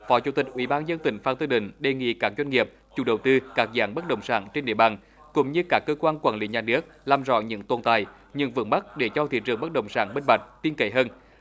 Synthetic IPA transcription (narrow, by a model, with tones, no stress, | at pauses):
fɔ˨˦t͡ɕṵ˨˧˩t̪ï˨˩k̚ʔwḭ˧˩˦ɓaː˧nzə˧nt̪ï˧˩ŋ̟faː˧˩nt̪ɨ˧ɗï˧˩˦ŋ̟ɗe˨˩ŋḭ˧˨kaː˦˥k̚zwa˧jŋ̟ŋi˨˩əp̚ | t͡ɕu˨˧˩ɗə˨˩wt̪ɨ˧kaː˦˥k̚za̰ː˨˦ŋɓə˦˥t̚ɗə̰˧˨wŋ͡msa̰ː˧˩nt͡ɕe˧nɗḭ˧˨ə˩ɓaː˨˩n | kʊ̰˧˥ŋ͡mɲɨ˧kaː˦˥kːəː˧kwaː˧nkwaː˧˩nlḭ˧˦ɲaː˨˩nɨ˦˥ək̚laː˨˩mzɔ̰˧˨ɲɨ̰˧˥ŋt̪o˧˩nt̪a˧˨˩j | ɲɨ̰˧ŋvɨ̰˧˥ma˦˥t̚ɗe˧˩t͡ɕɔ˧t̪ʰḭ˧˨˥t͡ɕɨ̰˨˧˩əŋɓə˦˥t̚ɗə̰˧˨˩wŋ͡msaː˧˩nɓe˧nɓa˨˩jk̟̚t̪i˧ənke˧˩jɦəː˧n